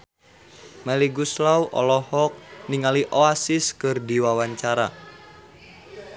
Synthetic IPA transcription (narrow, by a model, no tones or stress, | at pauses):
mɛliɡuslawʔɔ̰lɔhɔk̚niŋaliʔoasiskɨrdiwawaɲt͡ʃaɾa